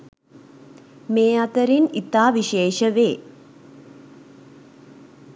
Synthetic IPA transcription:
meːat̪əɾinit̪aːʋiʃeːʃəʋeː

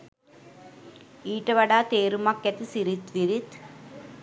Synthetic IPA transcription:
iːʈɐʋɐɽaːt̪eːɾumɐkːjɐt̪isiɾit̪ʋiɾit̪

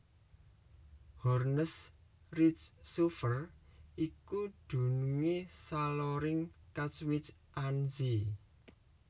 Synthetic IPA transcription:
hɔrnəs | rit͡ʃːufərikud̪̥ṳnuŋesalɔɾɪŋkat͡ʃwɪt͡ʃʔanzi

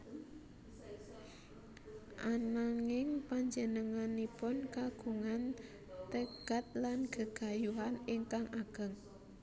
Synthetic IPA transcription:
ʔanaŋɪŋpaɲd͡ʒənəŋanipʊnkaɡ̥uŋan | t̪əɡ̥a̤t̪̚lanɡ̥ə̤ɡ̥a̤juɦaniŋkaŋʔaɡ̥ə̤ŋ

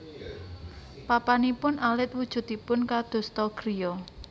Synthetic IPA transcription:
papanipʊnʔalɪt̪̚wud̥ʒ̥ṳt̪ipʊnkad̪̥o̤st̪ɔɡ̥ɾijɔ

